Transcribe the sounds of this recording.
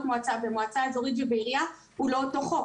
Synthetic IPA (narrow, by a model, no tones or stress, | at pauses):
t̪moat͡sabemoat͡sazoʁid̪ibeiʁia | ulo̞t̪oχo